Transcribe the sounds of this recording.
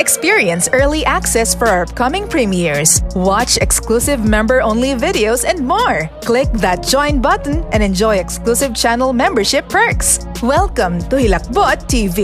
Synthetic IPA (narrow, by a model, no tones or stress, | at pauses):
ʔɛkspiɹiɛ̃nsɛɹliʔæksɛsfɔɹakʌmɪ̃ŋpɹĩmɪɹswɑt͡ʃɛksklusɪvmɛ̃mbəɹʔõʊ̃nlivɪdɪoʊsɛ̃nd̪̚mɔɹ | klɪk̚ðat̪̚d͡ʒ̥ɔ̃j̃n̚bʌt̪n̩ɛ̃nd̪ɛ̃nd͡ʒɔjɛksklusɪvt͡ʃænɛlˠmɛ̃mbəɹʃɪpʰːəɹks | wɛlˠkɐ̃mt̪ʊhɪlɐk̚bɔt̪ʰːiːvi